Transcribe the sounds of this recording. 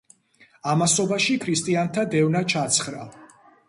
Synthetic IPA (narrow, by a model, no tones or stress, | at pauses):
amasɔbaʃikʰɾist̪ʼiant̪ʰad̪ɛvnat͡ʃʰat̪sʰχɾa